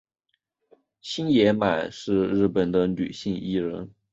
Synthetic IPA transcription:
ɕi˥njɛ˧˥ma˨˩ɪʂɻ̩˥˧ɻɻ̩˥˩pə˨˩nd̪ə˦ny˨˩ɕi˥˩ŋi˥ɻə˧˥n

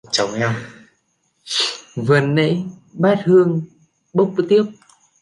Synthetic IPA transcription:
t͡ɕɔ˨˦wŋ͡mɲa˧w | vɨ˨˩nːə̰˧˥jɓaː˦˥t̚hɨ˧əŋ | ɓə˦˥wk͡p̚t̪i˦˥əp̚

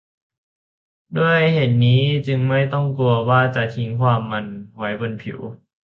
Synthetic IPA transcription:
du˥˩əjhe˨˩n̚niː˦˥t͡ɕɯ˧ŋma˥˩jt̪ɔ˥˩ŋku˧ɐwaː˧˥˩t͡ɕa˧t̪ʰi˧˦˥ŋkʰwaː˧˨mːa˧nhwjbo˧˨npʰḭ˨˦w

